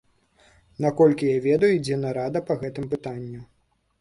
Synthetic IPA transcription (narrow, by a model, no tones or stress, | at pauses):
nakɔlʲkʲijavʲɛd̪ɐjuid͡zʲɛnɐɾad̪ɐpɐɣɛt̪ɨmpɨt̪anʲːu